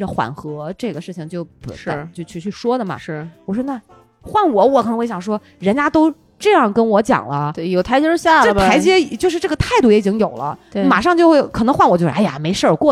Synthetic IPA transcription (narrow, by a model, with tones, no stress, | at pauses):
ə˧˩xwa̰˨˩nxɤ˧˥ʈ͡ʂɤ˥˩ɡə˩ʂɻ̩˥˩t͡ɕʰi˩ŋt͡ɕjo˥˩ʊpt͡ɕjo˥˧ʊt͡ɕʰy˥˧t͡ɕʰy˥˩ʂwɔ˥d̪ə˨˩mɐ̰˩ʂ̩˥˩wɔ˨˩ʂ̬wɔ˥na˥˩ | xwa˥˩nwɔ˨˩˦wɔ˧˩k̪ʰɤ˧˥xwe˥˩jɑ˨˩ŋʂwɔ˥ | ɻə˧˥nt͡ɕja˥t̪o˥ʊ | ʈ͡ʂɤ˥˧jɑ˥˩ŋkə˥nwɔ˧˥t͡ɕjɑ̰˨˩ŋlə˦˥˩jo˨˩ʊt̪ʰa˧˥ɪt͡ɕjɛ˥˩ɕja˥˩˥ɪt͡ɕjɛ˥˨˩t͡ɕjo˥˧ʊʂ̬ɻ̩˥˧ʈ͡ʂɤ˥˩ɡə˩t̪ʰa˥˧ɪt̪u˥˩jɛ˥i˨˩t͡ɕi˥ŋjo˨˩ʊlə̰˦˧ma̰˨˩ʂɑ˥˧ŋt͡ɕjo˥˧ʊxwe˥˩ɪkʰɤ˨˩nɤ˧˥ŋxwa˥˩nwɔ˨˩t͡ɕo˥˧˩a˥˩ja̰˨˩me˧˥ɪʂə˞˥˧kwɔ˥˩